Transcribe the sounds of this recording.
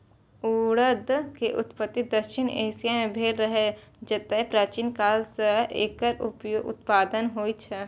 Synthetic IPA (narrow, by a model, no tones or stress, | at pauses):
uːɽəd̪keʔʊt̪pət̪ːɪd̪əʃɪnḛːsijamẽbʱeːlɾəɦed͡ʒɐt̪aɦɛpɾaːt͡ʃinkaːlsəḛːkəɾʊpjoʊ̰t̪̚paːd̪ənɦoːit͡ʃʰɛ